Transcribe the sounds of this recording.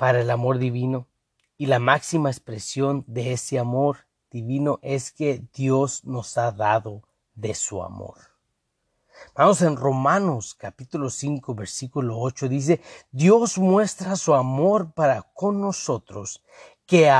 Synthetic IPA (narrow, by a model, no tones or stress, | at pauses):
paɾaelamo̞ɾðiβino̞ | ilamaksimaekspɾe̞sjo̞nd̪e̞eseamo̞ɾ | d̪̥iβino̞ʔe̞ske̞ðjo̞zno̞saðaðo̞ | ðe̞sua̰mo̰ɾ | mamose̞nro̞mãno̞skapit̪ulo̞siŋko̞βe̞ɾsikulo̞ot͡ʃo̞ðis̬e̞ðjo̞zmwe̞st̪ɾasuamo̞ɾpaɾako̞nːo̞so̞t̪ɾo̞s | kea